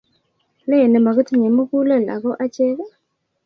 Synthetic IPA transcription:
lɛ˦ɛ˨nɛ˨ma˨ɣu˦tʰi˦˨ɲɛ˨mu˦ku˦la˦la̰˨kɔ˦ʔa˦t͡ʃɛ˦ka˦

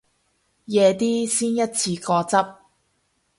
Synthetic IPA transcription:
jɛː˨˧t̪iː˥siː˥njɐ˥t̚t͡sʰiː˧kɔː˧t͡sɐ˥p̚

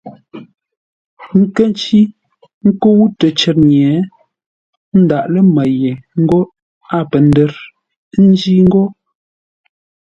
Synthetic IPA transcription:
ŋ̩˦kə˦n˦t͡ʃi˦ | ŋ̩˦ko˦wu˦tə˨t͡ʃɛ˨t̚ɲjɛ˨˦ | n̩˦da˨ʔlə˦ma˨je˨ŋ̩˦ɡo˦ | a˦˨pə˨n˦də˦ɾ | n̩˦d͡ʒi˦ŋ̩˦ɡo˦

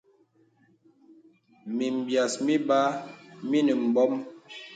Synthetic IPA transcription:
mi˨m̩˨bja˨smi˦ba˦mi˦nə˨m̩˨bɔ˦m

